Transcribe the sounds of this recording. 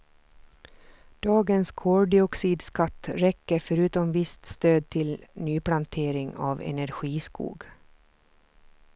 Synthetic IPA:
d̪̥ɑːɡənskʰoːɖɪɔksiːd̪skɑt̪ɾɛkːəɾfɔɾʉːt̪ɔmʋɪst̪st̪øːd̪̚t̪ʰɪlnyːplɑnt̪ʰeːɾɪŋɑ̰ːʋɛ̰næɾɧiːskṵːɡ

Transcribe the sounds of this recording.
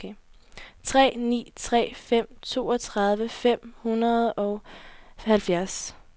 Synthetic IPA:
t͡sʰʁɛ̰ːnḭːt͡sʰʁɛ̰ːfem̰t͡sʰo̝̰ːɒt͡sʰʁɑ̈ð̞ˠʋəfem̰hunɐð̞ˠɒ̽ʊhælfjæɐs

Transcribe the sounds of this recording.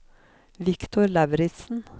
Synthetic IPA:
ʋɪkt̪ʰʊɾlɛʋɾɪt̪sn̩

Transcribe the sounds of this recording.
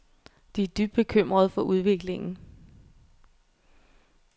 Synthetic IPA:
d̥iæd̥yb̥̚d̥̚b̥e̝kʰøm̰ʁɐð̞̩ˠfɒ̽ʔuð̞ˠʋe̝ɡ̥le̝ŋn̩

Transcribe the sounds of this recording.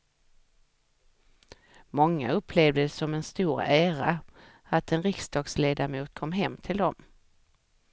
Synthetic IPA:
mɔŋːa̰ɵpʰleːvd̪əsɔmɛnst̪uːɾæːɾa | at̪ɛnɾɪksd̪ɑːɡsleːd̪amuːt̪̚kʰɔmːɦɛmːt̪ʰɪld̪ɔm

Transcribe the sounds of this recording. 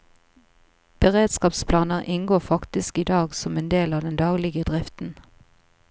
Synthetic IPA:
b̥əʁeːd̪skɑːpspʰlɑːnəʁʔɪŋɡoːfɑkt̪ɪskiːd̪ɑːɡsɔmeːnd̪eːlɑːd̪ɛnd̪ɑːɡlɪɡəd̪ʁɪft̪n̩

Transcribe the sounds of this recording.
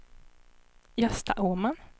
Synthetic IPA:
jœst̪a̰ʔuːman

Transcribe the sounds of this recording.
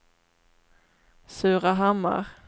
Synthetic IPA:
sʉ̟ːʁaɦamːa̰ɾ

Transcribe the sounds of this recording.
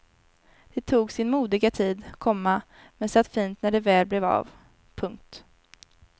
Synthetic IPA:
d̪̥ɛt̪ʰuːɡsɪnmuːd̪ɪɡat̪ʰiːd̪kʰɔmːa | mɛnsat̪ːfiːnt̪næɖɛvɛːlblɛva̰v | pʰɵŋk̚t̪

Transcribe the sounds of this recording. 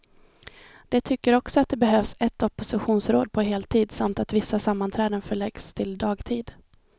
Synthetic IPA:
d̪̥ɛt̪ʰʏkːəɾɔksɔat̪̚d̪ɛbɛɦøːvsɛt̪ːɔpʊsɪɧuːnsɾoːd̪̚pʰɔɦeːlt̪ʰiːd̪samt̪at̪vɪsːasamːant̪ʰɾɛːd̪ənfœɭɛɡst̪ʰɪld̪ɑːɡt̪ʰiːd̪

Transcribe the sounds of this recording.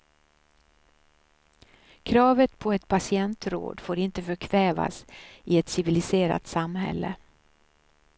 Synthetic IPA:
kʰɾɑːvət̪pʰɔɛt̪pʰasɪɛnt̪ɾo̰ːd̪foːɾɪnt̪əfœkʰvɛːva̰sɪɛt̪sɪvɪlɪseːɾa̰t̪samːɦɛ̰lːə̰

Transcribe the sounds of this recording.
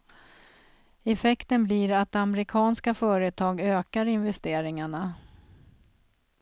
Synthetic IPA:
ɛfɛkt̪ənbliɾat̪̚ːamɛɾɪkʰɑːnskafœːɾət̪ʰɑːɡøːkaɾɪnvɛst̪eːɾɪŋaɳa

